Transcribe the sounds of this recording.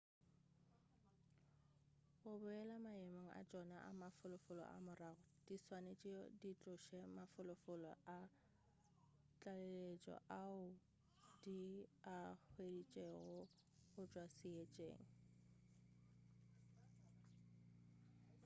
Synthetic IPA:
ɣʊbʊɛlamaemaŋ̩ʔa̰t͡ʃʼɔnaʔa̰mafʊlʊfʊlɔ̰ʔa̰mʊraɣʊ | d̥iswanet͡ʃʼiɔdit͡ɬʼʊʃɛmafʊlʊfʊlɔ̰ʔa | t͡ɬʼalelet͡ʃʼɔ̰ʔaʊ | d̥iak͡xwedit͡ʃʼeɣʊ | ɣʊt͡ʃʼwasɪet͡ʃʼḛːŋ̩

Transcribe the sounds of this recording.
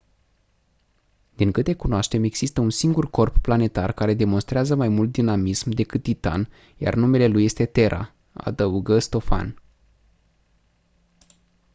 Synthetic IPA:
d̪iŋkɨt̪e̞kunoaʃt̪e̞me̞ɡz̥ist̪əunsiŋɡurko̞rpːlane̞t̪arkaɾe̞d̪e̞mo̞nst̪ɾeazəmajmult̪̚d̪inamismd̪e̞kɨt̪̚t̪ːit̪a̰n | ja̰rnume̞le̞luje̞st̪e̞t̪e̞ɾʔa̰ | a̰d̪əuɡəst̪o̞fa̰n

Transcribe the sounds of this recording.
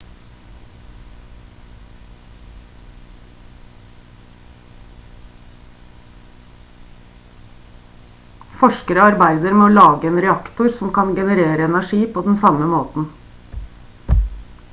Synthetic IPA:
fɔʂkəɾəɑɾbæɪd̪əɾmeːoːlɑːɡəeːnɾɛɑkt̪ʊɾsɔmkɑnɡɛnəɾeːɾəɛnæʂiːpʰoːd̪ɛnsɑməmoːt̪n̩

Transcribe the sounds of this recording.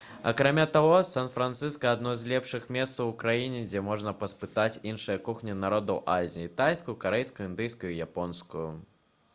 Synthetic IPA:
ɐ̰kɾamʲat̪aɣɔsanfɾant̪sɨskɐːd̪nɔzʲlʲɛpʂɨxmʲɛst̪sɐwukɾajinʲɛd͡zʲɛmɔʐnɐpɐspɨt̪at͡sʲinʂɨjɐkuxnʲinaɾɔd̪ɐwʔazʲiit̪ajskujukaɾɛjskɐjuind̪ɨjskujuijapɔnskuju

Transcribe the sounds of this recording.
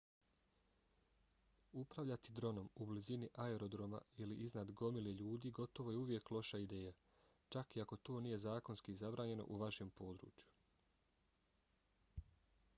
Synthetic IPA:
upɾaʋʎat̪id̪ɾo̞no̞mubliziniʔaeɾo̞d̪ɾo̞ma̰iliʔiznad̪ɡo̞mileʎuːd̪iːɡo̞t̪o̞ʋo̞je̞uʋje̞klˠo̞ʃaid̪e̞ːja | t͡ʃakiako̞t̪o̞ːniːje̞zaːko̞nskizabɾaːɲe̞no̞̰ʔuʋaʃe̞mpo̞ːd̪ɾṵːt͡ʃju̥

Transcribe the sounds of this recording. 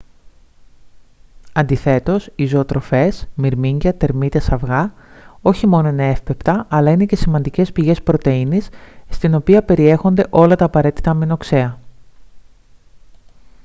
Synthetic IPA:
ɐnd̪iθe̞t̪o̞sizo̞ːt̪ɾo̞fe̞smiɾmiɲɟɐt̪e̞ɾmit̪esɐvɣɐo̞çimo̞no̞ine̞e̞fpe̞pt̪ɐʔɐlɐine̞ce̞simɐnd̪ice̞spiʝe̞spɾo̞t̪e̞inisːt̪ino̞piɐpe̞ɾie̞xo̞nd̪e̞ʔo̞lɐt̪ɐːpɐɾe̞t̪i̥t̪ɐmino̞kse̞ɐ

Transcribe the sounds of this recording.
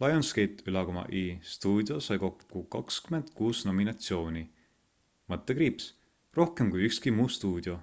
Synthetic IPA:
lɑjonskejt̪ːˑylɑkomɑ̰ʔist̪uːd̪jo̞sɑjko̞kːukɑkskyme̞nd̪̥̚kuːsno̞minɑt̪sio̞ːni | mɤt̪ːˑekɾiːps | ro̞hke̞mkujykskimuːst̪uːd̪̥jo̞

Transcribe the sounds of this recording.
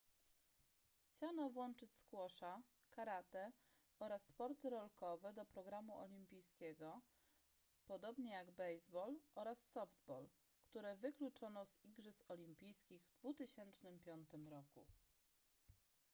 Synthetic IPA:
xt͡ɕanɔvwɔnt͡ʂɘt͡ɕʲskwɔʂa | kaɾat̪ɛ | ɔɾasːpɔɾt̪ɘɾɔlkɔvɛd̪ɔpɾɔɡɾamuʔɔ̰lʲimpʲijskʲɛɡɔ | pɔd̪ɔbɲɛjaɡbɛjzbɔlʔɔɾasːɔvd̪̚bɔl | kt̪uɾɛvɘklut͡ʂɔnɔziɡʐɘsɔlʲimpʲijskʲiɣvd̪vut̪ɘɕɛnt͡ʂnɘmpʲjɔnt̪ɘmɾɔkṵ

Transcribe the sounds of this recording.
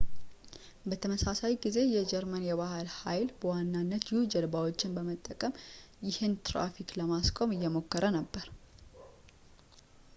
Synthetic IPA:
bət̪ʰəməsasajɡize̞jɛd͡ʒɛɾmənjɛβahalhajlbəwanːanːət̪jɪhud͡ʒɛlbawo̞t͡ʃːɪnbəmət̪ʼːəkʼəm | jɪhɨnt̪ʰɾa̰fikləmaskʼo̞mɨjːɛmo̞kːəɾʔənəbːəɾ

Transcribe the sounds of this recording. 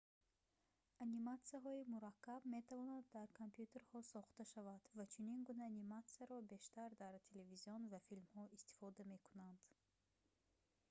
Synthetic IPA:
animat̪siaɦɔimuɾakʰːabme̞t̪ʰavɔnad̪ːaɾkʰompjut̪ʰe̞ɾhɔsɔχt̪aʃavad̪̥vat͡ʃʰuninɡunaːnimat̪siaɾɔbe̞ʃt̪aɾd̪aɾt̪ʰe̞le̞viziɔnvafilmhɔist̪i̥fɔd̪ame̞kunand̪̥

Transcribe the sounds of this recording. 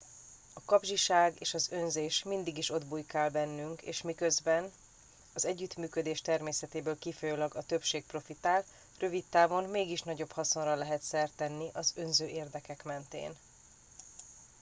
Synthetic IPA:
ɒkɒbʒiʃaːɡeːʃɒzø̞nzeːʃmind̪iɡiʃo̞d̪bujkaːlbɛnːyŋkḛːʃmikø̞zbɛn | ɒzɛɟːyt̪myːkød̪eːʃt̪ɛrmeːsɛt̪eːbøːlkifojoːlɒɡɒt̪ø̞pʃeːk̚pro̞fit̪aːl | rø̞vit̪ːaːvo̞nmeːɡiʃnɒɟo̞phɒso̞nrɒlɛɦɛt̪sɛrt̪ɛnːiʔɒzø̞nzøːʔeːrd̪ɛkɛkmɛnt̪ḛːn

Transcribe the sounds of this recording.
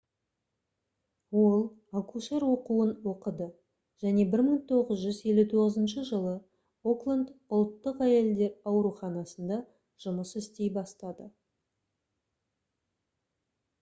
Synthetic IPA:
wo̞lˠ | akuʃeɾwo̞quənwoqəd̪ə | ʒ̥æne̞bɪɾməɴt̪ʰo̞ʁəzʒʏze̞lʲːut̪ʰo̞ʁəzənʃəʒəlˠə | oklˠand̪ʊlˠt̪ːəqæje̞ld̪e̞ɾɑwɾuχɑnɑsənd̪ɑ | ʒ̥ʊməsɪst̪e̞jbɑst̪ɑd̪ə

